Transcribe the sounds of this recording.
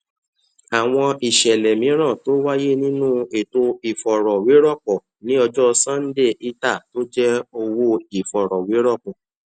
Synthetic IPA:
a˨w̃ɔ̃˧ʔi˨ʃɛ˨lɛ˨mĩ˨˦ɾ̃ã˦˨to˦wa˦je˦nĩ˦nũ˦e˨to˧i˨fɔ˨ɾɔ˨we˨˦ɾɔ˦˨k͡pɔ˨ | nĩ˨˦ɔ˧d͡ʒɔ˦˧sã˦˨n̩˦de˦˨ʔi˦ta˦˨to˦d͡ʒɛ˦o˧wo˧i˨fɔ˨ɾɔ˨we˨˦ɾɔ˦˨k͡pɔ˨

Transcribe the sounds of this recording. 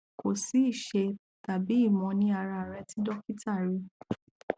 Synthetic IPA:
kʰo˨si˨˦i˦˨ʃe˧ | ta˨bi˨˦i˦˨mɔ̃˨˧nĩ˧a˧ɾa˧˨ɾɛ˧ti˦dɔ˦ki˦ta˦˨ɾi˨˦

